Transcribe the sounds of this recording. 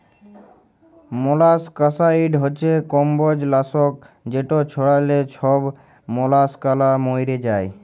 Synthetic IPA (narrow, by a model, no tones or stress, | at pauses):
molaskəsaiɖɦɔt͡ʃʰekɔmbɔd͡ʒlasɔk̚ | d͡ʒeʈot͡ʃʰɔɽalet͡ʃʰɔb | mɔlaskalamojɾed͡ʒaj